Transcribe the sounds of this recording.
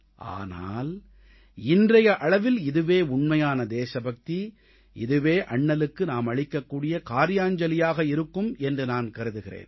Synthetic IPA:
ʔa̰ːna̰ːl | ɪndrɐjɐʔɐɭɐʋɪlɪðɯʋeːʊɳmɐjaːnɐd̪eːʃɐbɐk̚t̪i | ɪðɯʋeːʔɐɳːɐlɯkːɯnaːmɐɻɪkːɐkːuːɽɪjɐkaːɾɪjaːɲd͡ʒɐlɪjaːɣɐɪɾɯkːɯmɛndrɯnaːnkɐɾɯðɯɣɪrḛːn

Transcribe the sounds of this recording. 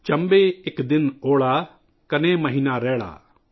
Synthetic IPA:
t͡ʃə̃mbeːɪkd̪ɪnoːɭaː | kɐneːmɐɦiːnaːɾɛːɽa̰ː

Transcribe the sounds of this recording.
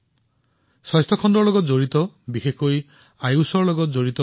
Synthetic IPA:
sɔjst̪ɔkʰɔnd̪ɾɔlɔɡɔd͡ʒoɾit̪ɔbixekʰoj | ajusɔɾlɔɡɔd͡ʒoɾit̪ɔ

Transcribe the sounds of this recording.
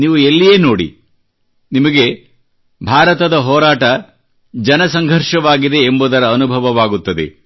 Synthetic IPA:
niːʋuelːijeːno̞ːɽḭ | nimɐɡe̞ | bʱaːɾɐt̪ɐd̪ɐɦɔːɾaːʈɐ | d͡ʒɐnɐsɐŋɡʱɐɾʃɐʋaːɡid̪e̞ːmbuːd̪ɐɾɐːnubʱɐʋɐʋaːɡut̪ːɐd̪e̞̰

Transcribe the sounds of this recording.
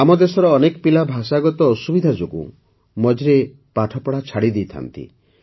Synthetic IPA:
amɔd̪esɔɾɔːnekɔpilabʱasaɡɔt̪ɔːsubid̪ʱad͡ʒoɡṵ | mɔd͡ʒɾe | paʈʰɔpɔɽat͡ʃʰaɽid̪iːt̪ʰa̰nt̪ḭ

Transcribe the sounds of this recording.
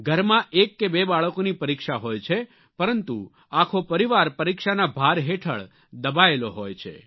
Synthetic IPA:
ɡʱəɾmãʔekːebebaɭəkonipəɾikʃaɦojt͡ʃʰe | pəɾənt̪u | akʰopəɾiʋaɾpəɾikʃanabʱaɾɦeʈʰə̰ɭ | d̪əbaeloɦojt͡ʃʰḛ

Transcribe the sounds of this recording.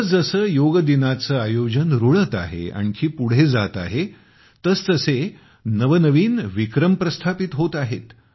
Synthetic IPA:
əsd͡zəsəːjoɡəd̪inat͡səːajod͡ʑənɾuɭət̪a̰ɦḛa̰ñkʰiːpuɽ̤ed͡zat̪a̰ɦe | t̪əst̪əse | nəʋənəʋiːnʋikɾəmpɾəst̪ʰapit̪ɦot̪aɦet̪

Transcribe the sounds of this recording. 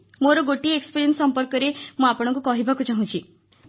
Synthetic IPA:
moɾɔɡoʈiekspiɾiensɔmpɔɾkɔɾemũapɔɽ̃ɔ̃ŋk̬ukɔɦibakut͡ʃaɦũt͡ʃʰi

